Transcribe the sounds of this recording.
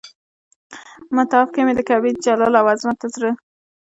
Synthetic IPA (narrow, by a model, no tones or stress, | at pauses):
mat̪ɑfkamed̪əkabit̪̚d͡ʒalɑlawɑzmat̪azɾə